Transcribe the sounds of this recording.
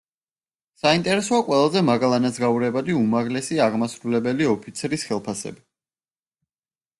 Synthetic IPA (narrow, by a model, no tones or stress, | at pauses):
saint̪ʼɛɾɛsɔaqʼwɛlˠazɛmaɡalˠanazɡauɾɛbad̪iumaʁlɛsiaʁmasɾulɛbɛliɔpʰit̪sʰɾisχɛlˠpʰasɛ̰bi